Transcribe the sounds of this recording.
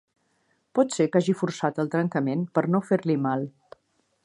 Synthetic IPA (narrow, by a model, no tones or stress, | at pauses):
pɔt̪sekaʒifuɾsat̪əlˠt̪ɾəŋkəmenpəɾnofeɾlimalˠ